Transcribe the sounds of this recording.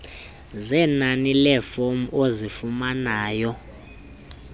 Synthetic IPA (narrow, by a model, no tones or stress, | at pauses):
zɛnanilɛfomuozifumanaːjɔ